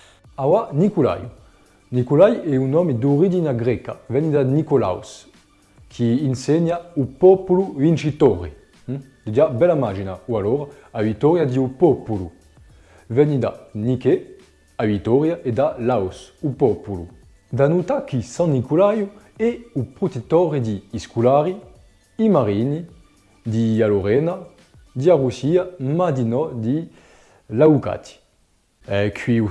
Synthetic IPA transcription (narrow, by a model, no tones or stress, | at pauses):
awanikula̰jṵ | nikulajɛunɔmed̪uʁid͡ʒinaɡʁɛka̰vɛɲid̪anikola̰ws | kʰiːnsɛɲaupɔpuluvint͡ʃit̪ɔʁe | d̪id͡ʒabɛlamaʒinaualɔʁa | avit̪ɔʁjad̪iupɔpulu | vɛnid̪anikɛ | avit̪ɔʁjaʔed̪alawsupɔpulu | d̪anut̪akisãnnikulaju | ɛupʁut̪et̪ɔʁid̪iːskulaʁiː | maʁini | d̪ialoʁɛna | d̪iaʁusiamad̪inɔd̪i | lawka̰t̪i̥ | ɛkɥiu